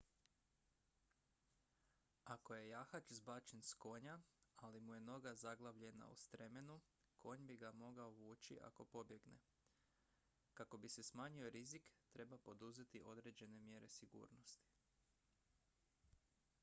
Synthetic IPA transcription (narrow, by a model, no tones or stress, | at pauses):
ako̞je̞jaxat͡ʃzbaːt͡ʃensko̞ːɲaalimuje̞no̞ɡazaɡlˠaʋʎe̞na̰ṵst̪ɾe̞menu | kʰo̞ːɲbiɡamo̞ɡaoʋuːt͡ʃḭʔa̰ko̞po̞bje̞ɡne̞̰ | kako̞bise̞smaːɲio̞ɾizikt̪ɾe̞bapo̞d̪uzet̪iʔo̞d̪ɾe̞ːd͡ʒe̞ne̞mjeɾe̞siɡṵːɾno̞st̪i̥